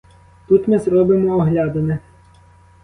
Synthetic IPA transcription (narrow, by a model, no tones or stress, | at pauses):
t̪ut̪mɪzɾɔbɪmɔɔɦlʲɑd̪ɐnɛ